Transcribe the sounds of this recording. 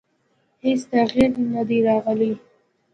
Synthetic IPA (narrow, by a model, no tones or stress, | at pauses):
hesd̪aɣiɾnad̪iɾɑɣəli